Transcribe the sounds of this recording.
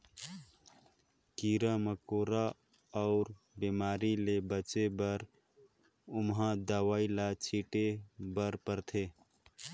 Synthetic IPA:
kiːɾaməkoːɾa | ɔʊɾ | bimaːɾilebət͡ʃebəɾ | ʊmɦãd̪əwaːilat͡ʃʰiːʈebəɾpəɾt̪ʰeː

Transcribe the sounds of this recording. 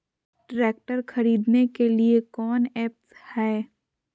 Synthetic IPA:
ʈɾeːk̚ʈəɾxʰɐɾiːd̪nekeliekɔːnɛːp̚shɛː

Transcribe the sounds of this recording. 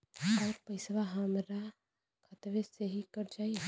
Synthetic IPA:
ɔːɾpəɪsʋaɦəmɾa | kʰət̪ʋeseɦikəɾd͡ʒaːie

